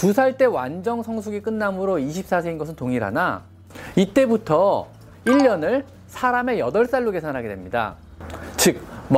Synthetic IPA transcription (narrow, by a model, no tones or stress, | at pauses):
tusʰaɭt͈e̞wa̰nd͡ʑʌŋsʰʌŋsʰuɡik͈ɯnːamɯɾoiɕʰip̚s͈as̬ʰe̞inɡʌsʰɯntoŋiɾa̰na | it͈e̞butʰʌ | iʎːjʌnɯɭ | sʰaɾame̞jʌdʌɭs͈aɭːuɡe̞sʰanɦaɡedwe̞mɲida̰ | t͡ɕɯk̚m